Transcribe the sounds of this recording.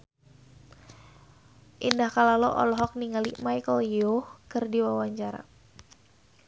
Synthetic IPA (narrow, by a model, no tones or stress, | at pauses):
ʔindahkalalɔʔɔ̰lɔɦɔk̚niŋalimajkəljohkɨrdiwawaɲt͡ʃaɾa̰